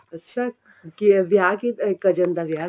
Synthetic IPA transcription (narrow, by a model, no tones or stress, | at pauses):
ətːɕʰa | kiʋjakikəd͡ʒənd̪aʋja